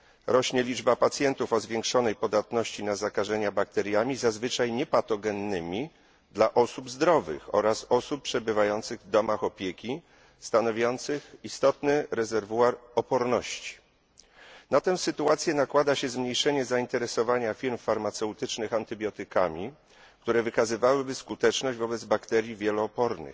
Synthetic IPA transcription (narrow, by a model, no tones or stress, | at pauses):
ɾɔɕɲɛlʲid͡ʐbapat̪sʲjɛnt̪ufɔzvʲjɛŋkʂɔnɛjpɔd̪at̪nɔɕt͡ɕinazakaʐɛɲabak̚t̪ɛɾʲjamʲizazvɘt͡ʂajɲɛpat̪ɔɡɛnːɘmʲi | d̪laʔɔsubzd̪ɾɔvɘ̰xɔ̰ɾasɔsuppːʂɛbɘvajɔnt̪sɘɣvd̪ɔmaxɔpʲjekʲi | st̪anɔvʲjɔnt̪sɘxist̪ɔt̪nɘɾɛzɛɾvuaɾɔpɔɾnɔɕt͡ɕi̥ | nat̪ɛw̃sɘt̪uat̪sʲjɛnakwad̪aɕɛzmɲejʂɛɲɛzaint̪ɛɾɛsɔvaɲafʲiɾmfaɾmat̪sɛwt̪ɘt͡ʂnɘxant̪ɘbʲjɔt̪ɘkamʲi | k̚t̪uɾɛvɘkazɘvawɘbɘskut̪ɛt͡ʂnɔʑd͡ʑvɔbɛd̪zbakt̪ɛɾʲjivʲjɛlɔːpɔɾnɘ̰x